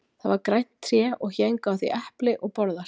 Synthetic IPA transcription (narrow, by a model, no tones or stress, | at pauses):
θaðvaɾkɾajt̪n̥t̪ʰɾjɛːɔɣçejŋkawθiʔɛhplɪʔɔɣpɔɾðḁ